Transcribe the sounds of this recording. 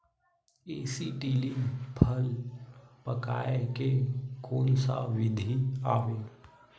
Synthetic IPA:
eːsiʈiːlipʰəl | pəkaːekekoːnsa̰ʋɪd̪ʱiaːʋeː

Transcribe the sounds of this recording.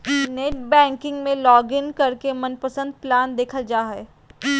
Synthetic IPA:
neːʈ̚bɛ̃ːŋkɪ̃ŋɡmẽlɔːɡɪnkɐɾkemɐnpəsə̃nd̪̚plaːnd̪eːkʰəld͡ʒaːɦɛː

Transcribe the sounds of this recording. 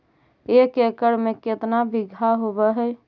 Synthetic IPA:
ekekəɽmẽket̪nabɪɡʱaɦobɛɦɛ

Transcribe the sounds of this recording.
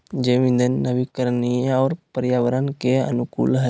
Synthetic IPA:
d͡ʒeʋĩnd̪ənːəʋikəɾnieɔːɾpəɾjaːʋəɾənkeə̰nʊkṵːlɦə

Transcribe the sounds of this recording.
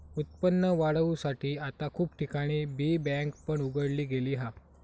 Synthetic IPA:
ut̪̚pənːəʋaɽəʋusaʈiːat̪akʰuːpʈikaɽ̃ibibɛ̃ŋkpəɳuɡəɽliːɡeliːɦa

